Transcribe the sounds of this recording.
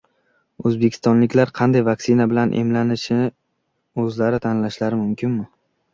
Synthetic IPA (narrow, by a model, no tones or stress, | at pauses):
ɵzbekʲʰɪ̥st̪ɒnlɪkʲlaɾqʰɑnd̪ajvaksɪnabɪlanʔe̞̰mlanɪʃɪ | ɵzlaɾɪt̪ʰanlaʃlaɾɪmʊmkʲɪnmɪ